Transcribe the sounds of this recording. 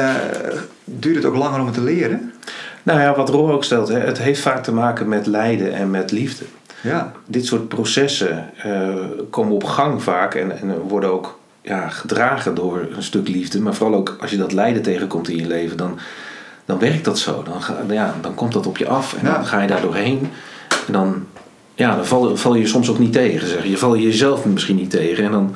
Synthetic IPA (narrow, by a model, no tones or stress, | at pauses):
dyːtəto̰wklɑŋərɔmətəlɪəɾənnowjaʋɔtrolˠowkstɛlˠtɦɛʔətɦejftfaːk̚təmaːkəmɛtlɛjdəʔɛ̰nmɛtlivdə | dɪtsʊːt̚prosɛsəəkʰoːmənɔpχɑŋvaːkɛ̰nɛnʋɔɹdənowk | jaχədraːɣədʊːɹənstɵklivdəmaːɹvoːrɑlˠowkɑlˠsjədɔtlɛjdəntejɣənkɔmtɪ̃njəlejvəndɔn | d̥ɔnʋɛrk̚tdɑtso̰wdnjadɔnkɔmtdɔtɔpjə̰ʔɑfɛ̰ndɔnχaːjədaːɹdʊːɹɦejn | ɛndɔn | jaːdɔnvɑlˠv̥ɑlˠjəəsɔmsowkniteːɣənzɛχəjəvɑlˠjəjəzɛlˠfmɪsχinitejɣəɛndɔn